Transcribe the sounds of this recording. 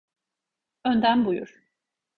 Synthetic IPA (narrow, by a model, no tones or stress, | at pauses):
ønd̪ænbujṵɾ̥